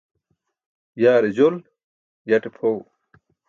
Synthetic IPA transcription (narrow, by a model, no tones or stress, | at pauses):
jaːɾed͡ʑol | jɐʈepʰow